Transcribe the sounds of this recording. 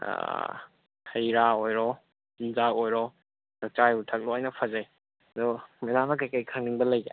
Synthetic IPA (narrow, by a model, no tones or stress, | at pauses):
a̰ | hɐjɾaojɾɔ | inzakojɾɔ | lɐk̚t͡ʃajutʰɐk̚loajnɐpʰɐzaj | ɐd̪ɔmedamɐk̬ɐjkəjkʰaŋniŋbɐlɐjɡḛ